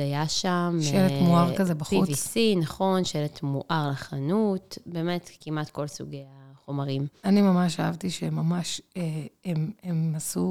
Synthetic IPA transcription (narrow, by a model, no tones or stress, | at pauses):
ajaʃamʃeletmuaʁkazebaχpiuvisinaχo̞nʃeletmuʔaʁlaχanutbe̞ːmetkimatko̞lsṵɡejaχomaʁimanimamaʃaavt̪iʃemamaʃeememasu